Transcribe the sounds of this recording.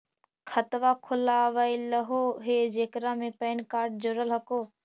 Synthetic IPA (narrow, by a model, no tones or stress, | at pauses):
kʰət̪ʋaːkʰʊlaːʋaːiləɦoːɦeːd͡ʒeːkɾaːmẽpɛːnkaːɾʈ̚d͡ʒoɾəlɦəkoː